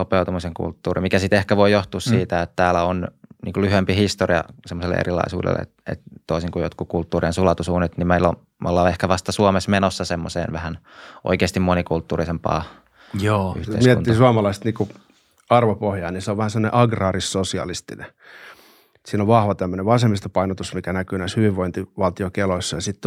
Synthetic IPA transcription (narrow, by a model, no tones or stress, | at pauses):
opeut̪umiseŋkṵlt̪ːuːrimikæsit̪ehkæʋoijoht̪uːssiːt̪æet̪t̪æːlæonnḭːkulyhempihist̪oriɑ̰semːoselːḛʔḛrilɑ̰isṵːdḛlːḛḛt̪ḛt̪t̪oisiŋkujot̪kukult̪ːuːriensulɑt̪usuːnet̪nimmeilo̰ | molːɑehkæʋɑst̪ɑsuomesmenosːɑsemːosḛːnʋæhæn | ʔo̰ikeːst̪imonikult̪ːuːrisempɑ̰ː | joːy̰ht̪ḛimsietunːiɑːsuɑmɑlɑist̪niːku | ɑrʋopohjɑːniseoʋæhæsemːonḛʔɑɡrɑːrissosiɑ̰list̪inḛ | siːnoʋʋɑhʋɑt̪æmːøneʋʋɑsemːist̪ɑpɑinot̪usmikænækyːnæishyʋiʋʋoint̪iʋɑlt̪iokeloisːɑjɑsit̪ː